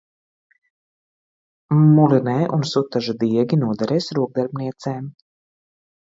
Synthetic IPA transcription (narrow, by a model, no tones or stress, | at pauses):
mulinɛjʔunsut̪ːaʒad̪iɛɡʲinuɔd̪aɾɛːsɾuɔɡ̚d̪aɾbniɛt̪sɛːm